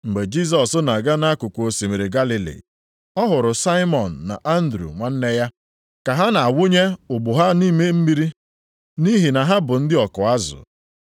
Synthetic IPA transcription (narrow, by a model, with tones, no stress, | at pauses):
ŋ͡m̩˨ɡ͡be˨d͡ʒi˦s̬ɔ˨sʊ˦na˨ɡa˦na˦kʊ˨kʷo˨si˨me˨ɾi˨ɡa˦li˨lḭ˨ | ɔ˦ɦʊ˨ɾʊ˨sa˦ɪ˦mɔ˨n̩ː˨a̰˨ʔa˦n̩˦dɾṵ˨ŋʷa˨n̩˦ne˦ja˦ | ka˨ɦa˦na˨a˨wʊ˦ɲe˦ʊ˨ɡ͡bʊ˨ɦa˦niː˦me˦m̩˦mi˦ɾi˦ | ni˦ɦi˨na˨ɦa˦bʊ˨n̩˦dɪ˦ɔ˨kʊ˨a˦zʊ̰˨